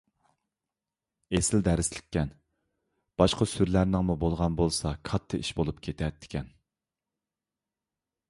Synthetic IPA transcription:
esɪld̪æɾɪslɪ̥kʲːɛn | b̥ɑʃqʰɑsyɾlæɾnɪŋmubolˠʁɑnbolˠsɑkʰɑt̪ʰːɨiʃbolˠupkʲʰet̪ʰɛt̪ʰːɪ̥kʲʰɛn

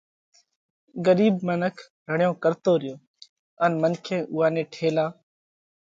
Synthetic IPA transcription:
ɡəɾiːbmənəkʰ | ɾəɳjõːkəɾt̪oːɾɪjoː | ənmənkʰẽːʔʊːaːnẽːʈʰeːlaː

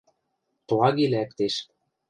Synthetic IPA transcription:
t̪lɑɣilækt̪eʃ

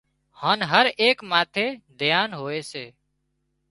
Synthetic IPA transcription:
haːnɦəɾeːkmaːt̪ʰeːd̪ʱɪjaːnɦoːeːseː

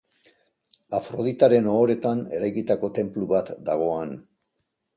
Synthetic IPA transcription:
afɾo̞ðit̪aɾe̞noːɾe̞t̪ane̞̰ɾajkit̪ako̞t̪e̞mpluβat̪d̪aɣ̞o̞an

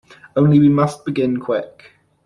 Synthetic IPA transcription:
õʊ̃nliwimʌsb̥ɪɡɪ̃nkʰw̥ɪk

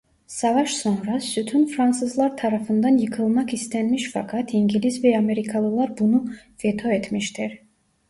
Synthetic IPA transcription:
sɑvɑʃsonɾasyt̪ʰynfɾansɯzlˠɑɾt̪ʰɑɾafɯnd̪ɑnjɯkʰɯlˠmɑkist̪ʰɛnmiʃfɑkʰat̪ʰiŋɡilizvɛɑmeɾikʰalˠɯlˠaɾbunuvɛt̪ʰoɛt̪ʰmiʃt̪ʰiɾ

